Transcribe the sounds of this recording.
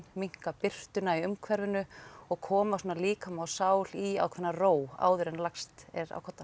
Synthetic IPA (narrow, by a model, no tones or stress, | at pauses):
miŋ̥kapɪr̥t̪ʏnaiʏmkʰvɛɾvʏnʏɔɣkʰɔːmasɔːnaliːkamawsaːwl̥ia̰wkʰvɛnːaroːwa̰ːwðʏɾɛnlakst̪ɛɾa̰wkʰɔt̪a